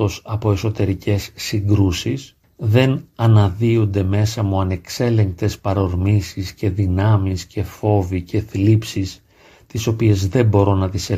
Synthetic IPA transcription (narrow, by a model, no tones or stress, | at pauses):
o̞sɐpo̞e̞so̞t̪e̞ɾicʰe̞sːiŋɡɾusis | ðe̞nɐnɐðiund̪e̞me̞sɐmuɐne̞kse̞le̞ŋk̚t̪e̞spɐɾo̞ɾmisisce̞ðinɐmisce̞fo̞vice̞θlipsis | t̪iso̞pie̞zðe̞bo̞ɾo̞nɐt̪ise